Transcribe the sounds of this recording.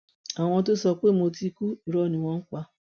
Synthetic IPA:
a˨w̃ɔ̃˧˦t̬o˦sɔ˧k͡pe˦˨mo˧ti˦ku˦i˨ɾɔ˦˨nĩ˨w̃ɔ̃˦ŋ̩˦kʷa˧

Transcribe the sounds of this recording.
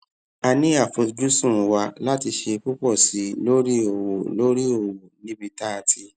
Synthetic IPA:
a˧nĩ˦a˦˨fo˧d͡ʒu˦sũ˦˨˧wa˧la˦ti˧ʃe˧ku˦k͡pɔ˦˨si˨˦lo˦ɾi˦o˨wo˨lo˦ɾi˦o˦˨wo˨nĩ˦bi˧ta˦a˨tʰi˧

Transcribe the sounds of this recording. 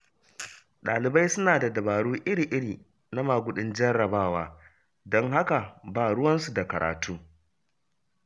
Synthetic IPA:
ɗaː˨lɪ˨ba˦jsʊ˦naː˨da˨dɐ˨baː˨ɽuː˦ʔɪ˦ɾiː˨ʔɪ˦ɽiː˨ | na˦maː˨ɡʷʊ˦˨ɗɪ˦nd͡ʒɪ˦ɛ˦rɽɐ˨baː˦˨waː˦ | dɔ˦ŋha˦ka˨baː˦ɽʊ˦wɐ˦nsu˨da˨kɐ˨ɾa̰ː˨tuː˦

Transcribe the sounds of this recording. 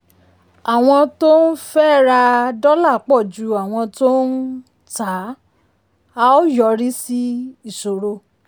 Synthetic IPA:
a˨w̃ɔ̃˧to˦n̩˦fɛ˦˨ɾa˧dɔ˦la˦˨k͡pɔ˦˨d͡ʒu˨˦a˨w̃ɔ̃˧to˦n̩˦ | ta˨˦ | a˧o˦jɔ˨˧ɾi˦si˦i˦˨so˨ɾo˧

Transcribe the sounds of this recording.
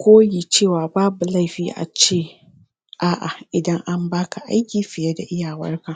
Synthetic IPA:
kʷoː˦jiː˨t͡ʃeː˦˨waː˨baː˦bu˨la˦˨ɸiː˦ʔa̰˨t͡ʃeː˦˨ | ʔaː˦˨ʔa˨ʔɪ˨dɐ˦ŋʔa˦mbaː˦ka˨ʔa̰˦jkʲiː˨ɸɪ˨jɛ˦da˨ʔɪ˦jaː˨wɐ̰˦rka˨ʔ

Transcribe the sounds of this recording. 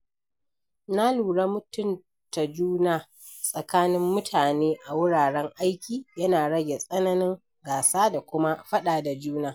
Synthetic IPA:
na˦luː˨ɽa˦mʊ˦tʊ˦n | ta˨d͡ʒuː˦naː˦˨ | sʼɐ˨kaː˦nɪ˦mːʊ˦tʰaː˨neː˦ʔa˨wʊ˦ɽaː˨ɽɛ˦ŋʔa˦jkʲiː˨jɐ˦naː˨ɽɐ˦ɡʲe˨sʼɐ˦nɐ˦nɪ˦ŋ | ɡaː˨saː˦da˨kʷʊ˦ma˦ɸɐ˦ɗaː˨da˨d͡ʒuː˦naː˦

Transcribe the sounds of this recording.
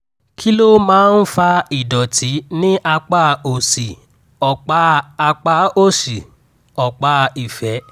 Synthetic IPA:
kʰi˦lo˦mãː˨˦n̩˦fa˧i˨dɔ˨tʰi˨˦nĩ˦ʔa˧k͡pa˦o˨si˨ | ɔ˨k͡pa˨˦a˧k͡pa˨˦o˦˨si˨ | ɔ˨k͡pa˧˦i˨fɛ˨˦

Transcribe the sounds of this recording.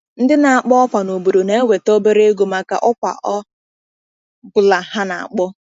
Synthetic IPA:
n̩˦dɪ˦na˨a˨k͡pɔ˦ɔ˦pʷa˨no˨bu˨ɾo˨ne˦e˦we˨to˦be˦ɾe˦ɡu˨ma˦ka̰˦˨ʔʊ˦kʷa̰˨ʔɔ˦ | bʊ˨la˨ha˦na̰˨a̰˨k͡pɔ˦

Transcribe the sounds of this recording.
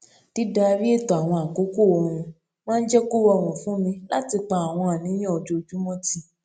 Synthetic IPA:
ti˦da˧ɾi˦e˦˨tɔ˨a˨w̃ɔ̃˧a˨ko˦ko˦˨ɔ˧ɾ̃ũ˧ | mãː˦˧n̩˦d͡ʒɛ˦ko˦wɔ˧˨w̃ũ˨fũ˨˦mĩ˧la˦ti˧k͡pa˧˨a˨w̃ɔ̃˧a˨nĩ˨˦j̃ĩ˦ɔ˨d͡ʒo˧˨d͡ʒu˦mɔ̃˦ti˧

